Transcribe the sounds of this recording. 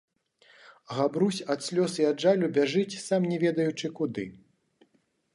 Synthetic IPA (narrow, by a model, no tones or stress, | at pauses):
ɣabɾusʲɐt̪sʲlʲɔsiɐdʐalʲubʲaʐɨt͡sʲsamnʲɛvʲɛd̪ɐjut͡ʂɨkud̪ɨ̰